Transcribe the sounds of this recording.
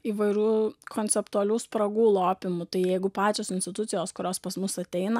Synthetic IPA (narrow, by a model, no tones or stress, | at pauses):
iːʋɐɪɾʲuːkʰoːnʲtsʲɛpt̪ʊɐlʲuːspɾɐɡuːlˠoːpʲɪmʊt̪ɐɪjɛɪɡʊpɑːt͡ʃʲoːsɪnʲsʲt̪ʲɪt̪ʊt̪ʲɪjoːskʊɾʲoːspɐsmʊsɐt̪ʲɛɪnɐ